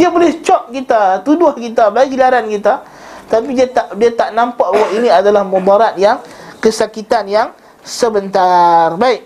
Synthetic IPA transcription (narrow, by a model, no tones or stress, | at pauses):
diabolɛht͡ʃɔp̚kit̪at̪udʊhkit̪abaik̚ɡilaɾankit̪a | t̪apidiat̪aʔdiat̪aʔnãmpaʔwaʔinĩadalahmubaɾat̪̚jaŋ | kəsakit̪anjaŋ | səbənt̪arbaɪk̚